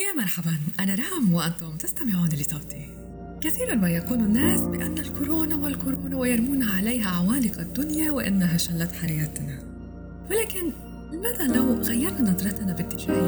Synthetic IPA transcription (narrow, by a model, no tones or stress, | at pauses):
jaːmɑɾˤħabanʔanaɾˤɑhamwɪʔant̪ʊmt̪ast̪amɪʕuːnilɪsˤɑwt̪i | kɪθiːɾanmajakuːnʊnːaːsbɪʔanːalkʊɾoːnawɪlkʊɾoːnawɪjɑɾˤmuːnhaʕalejɦaʕawaːlɪqad̪ːʊnjawɪʔɪ̰nːaɦaʃalːɑt̪ħaajaːt̪na | wɪlaːkɪn | lɪmaːðalawɣajːɑɾˤnanɑd̪ˤɾˤɑt̪nabɪt̪ːɪʃaːɾ